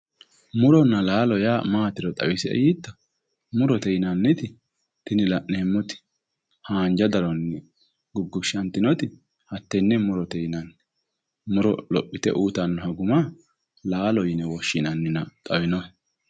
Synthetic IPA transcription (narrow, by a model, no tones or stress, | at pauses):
mʊɾɔnːɐlaːlɔjaːmaːt̪ɪɾɔt̪ʼɐ̰wɪsɪɛ̰jit̪ːɐ | mʊɾɔt̪ɛjɪnɐnːɪt̪ɪ | t̪ɪnɪlɐʔneːmːɔt̪ɪ̥ | haːnd͡ʒɐd̪ɐɾɔnːɪ | ɡʊɡːʊʃɐnt̪ːɪnɔt̪ɪ | hɐt̪ːɛnːɛmʊɾɔt̪ɛjɪnɐnː | mʊɾɔlɔ̰pʼːɪt̪ɛ̰ʔuːt̪ɐnːɔhɐɡʊma | laːlɔjɪnɛwɔʃːɪnɐnːɪnɐt̪ʼɐwɪnɔ